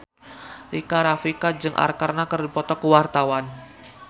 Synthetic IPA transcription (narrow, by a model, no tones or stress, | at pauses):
rikaɾafikad͡ʒɨŋʔa̰rkarnakərdipɔt̪ɔkuwart̪awan